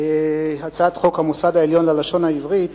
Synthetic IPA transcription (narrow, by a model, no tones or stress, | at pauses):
eɦat͡saat̪χo̞khamusad̪aeljo̞nlalaʃo̞nhaivʁit